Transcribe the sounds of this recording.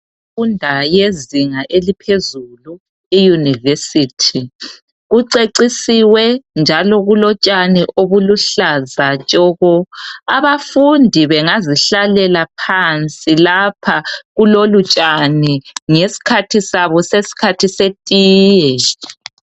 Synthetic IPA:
fundʱajeziŋaʔelipʰezulu | ijunivesitʰi | ɣuǀeǀisiwɛnd͡ʒʱalɔɣulɔt͡ʃʼaniʔoβuluɬazat͡ʃʼɔɣɔaβafundʱiβɛŋaziɬalɛlapʰant͡sʼilapʰaɣulolut͡ʃʼaniŋesi̥kʰatʰisaβɔsesi̥kʰatʰisetʼiːjɛ

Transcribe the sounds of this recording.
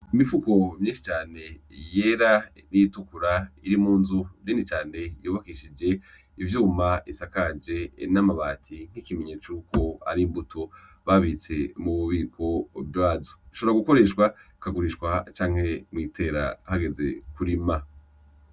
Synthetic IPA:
imifuko̞mɲĩːnʃi̥t͡ʃaːne̞jeɾaniitukuɾaiɾimuːnzuɾiːndit͡ʃaːne̞juːβakiʃid͡ʒe̞ | ivjuːmaisakad͡ʒe̞namaβaːtʰiŋ̥hikimeɲeːt͡ʃuko̞a̰ɾimbutʰo | βaβit͡se̞muβuβiːkʰo̞bjaːzoi̥ʃo̞βɾaɡuko̞ɾe̞ʃkwa | kaɡuɾiʃwat͡ʃaːŋhe̞mŋiːtʰe̞ːɾa̰haɡe̞ze̞̰kuɾima

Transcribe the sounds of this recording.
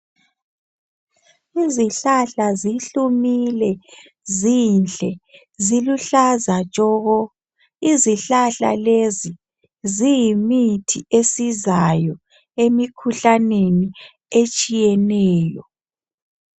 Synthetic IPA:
iziɬaɬaziɬumilɛ | zinɬʼɛ | ziluɬazḁt͡ʃʼɔɣɔ | iziɬaɬa̰lezi | zijimitʰiesizajɔ | emikʰuɬaneni | et͡ʃʼijɛnɛːjɔ

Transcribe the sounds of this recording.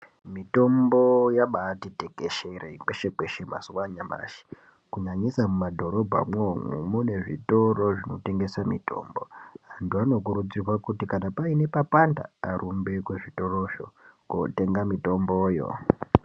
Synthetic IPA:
mito̞mbo̞jaɓatiteke̞ʃeɾeikweʃekweʃema̰suwaɲama̰ʃi̥ | kuɲaɲisamumadʱo̞ɾo̞bʱa̰mwo̞mṵmune̞ʐḭtoro̞ʐino̞te̞ŋɡe̞samḭto̞̰ːmbo̞antuano̞k̬uɾud͡zirwakutikanapaine̞papanda̰ːɾʔumbe̞kweʐito̞ro̞ʃo̰ko̰te̞ŋɡamito̞mboːjo̰

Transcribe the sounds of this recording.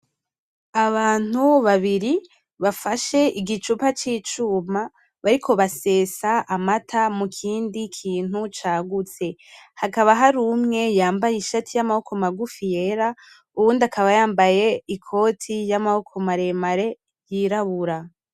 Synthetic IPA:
aβaːn̥uβaβiɾi | βafaʃe̞ʔiɡit͡ʃupat͡ʃiːt͡ʃuːma | βaɾikʰo̞βase̞ːsaamatʰamukʰiːndikʰiːn̥ut͡ʃaːɡut͡se̞hakaβaɦaɾumŋe̞jaːmbajiʃatʰijamaho̞ko̞maɡufije̞ɾa | uβuːndakʰaβajaːmbaje̞ikʰo̞tʰijamaho̞kʰo̞maɾe̞maɾe̞ | jiɾaβuɾa

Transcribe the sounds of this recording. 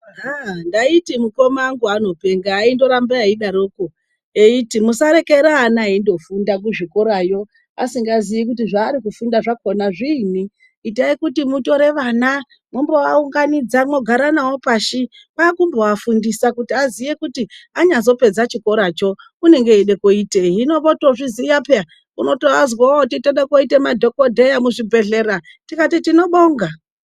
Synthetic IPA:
ɦandaitimuko̞maːŋɡuano̞pe̞ŋɡaːindo̞ɾambeaiɗaɾoːko | eitimusaɾe̞ke̞ɾaːnaindo̞fundak̬uʐiko̞ɾajo̞ | a̰siŋɡazijik̬utiʐaːɾikufundaʐakonaʐiːniː | taikutimuto̞ɾe̞ʋaːna | mombowauŋɡanid͡zamo̞ɡʱaɾanawopaːʃi | pakumboafundisakutiazije̞kutiaɲazo̞pe̞d͡zat͡ʃiko̞ɾat͡ʃo̞ | kune̞ŋɡe̞eɗe̞koiːteɦino̞ɓoto̞ʐizijapea | uno̞toazwaotitoɗekoite̞madʱo̞kodʱejamuʐibʱe̞ɮe̞ɾa | tikatitino̞ɓoːŋɡa

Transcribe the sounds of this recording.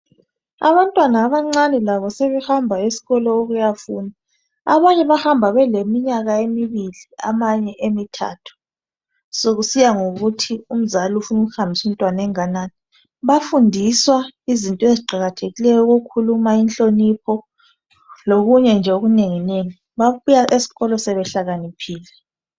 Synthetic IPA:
a̰βantʼwanaːβaŋ͡ǀanɛlaβɔseβɛhambʱaesi̥ɣɔlɔoɣujafuːna | a̰βaɲɛβahambʱaβɛlemiɲaɣaemiβilia̰maɲɛʔemitʰa̰ːtʰu̥ | soɣusijaŋoɣutʰium̩zaliufunuɣuhambʱisum̩tʼwanaɛŋanaːni | βafundʱiswaizintʼɔeziǃʱaɣatʰeɣilɛjɔɣokʰulumainɬʼonipʰɔ | loɣuɲɛnd͡ʒʱɛoɣuneŋineŋi | βaβujaʔesi̥ɣɔlɔsɛβɛɬaɣanipʰiːlɛ

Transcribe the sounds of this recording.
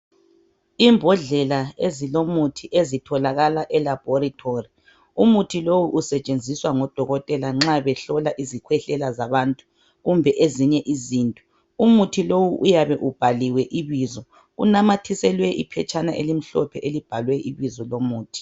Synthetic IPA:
imbʱɔɮɛlaezilomutʰiʔezitʰɔlaɣalaʔɛlab̥ʱɔɾitʰori | umutʰilowuʔusɛt͡ʃʼend͡zʱiswaŋɔd̥ʱɔɣɔtʼɛlaŋ͡ǁaβɛɬɔlaʔizikʰwɛɬɛlazaβaːntʼu̥ | ɣumbʱɛʔeziɲɛʔiziːntʼu̥ | umutʰilowuʔujaβɛʔub̥ʱaliwɛʔiβizɔ | ɣṵnamatʰisɛlwɛʔḭpʰɛt͡ʃʼanaʔelim̩ɬɔ̰pʰɛʔelib̥ʱalwɛʔiβizɔlomuːtʰi̥

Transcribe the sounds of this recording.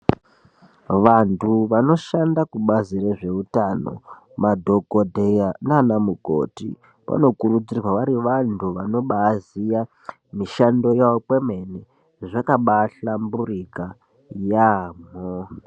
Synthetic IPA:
ʋantʰuʋano̞ʃandakuɓazireʐe̞utano̞̰ | madʱo̞kodʱejananamuɡʱo̰tḭ | pa̰no̞kuɾud͡zirwaʋaɾiʋantʰuʋano̞ɓaːzija | miʃando̞jaopwemeni | ʐakaɓaɬamburika | jaːm̤o

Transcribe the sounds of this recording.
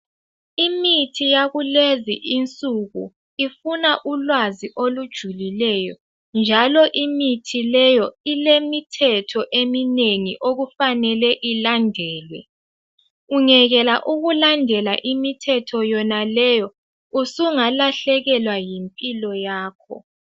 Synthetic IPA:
imitʰijaɣuleziʔint͡sʼuɣṵ | ifunaʔulwaziʔolud̥ʒ̥ʱulilɛjɔ | nd͡ʒʱalɔʔimitʰilɛjɔilemitʰɛtʰɔʔemineŋiʔoɣufanɛlɛʔilandʱɛːlwɛ | uŋɛɣɛlaʔuɣulandʱɛlaʔimitʰɛtʰɔjɔnalɛjɔ | usuŋalaɬɛɣɛlwajimpʼilɔjaːkʰɔ̰

